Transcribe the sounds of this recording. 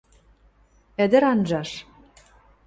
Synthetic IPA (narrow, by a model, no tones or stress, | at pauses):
ɘ̆d̪ɘ̆ɾɑnʒɑʃ